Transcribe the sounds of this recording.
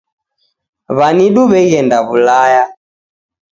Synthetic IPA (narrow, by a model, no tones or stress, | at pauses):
βaniɗuβɛiɛndaβulaja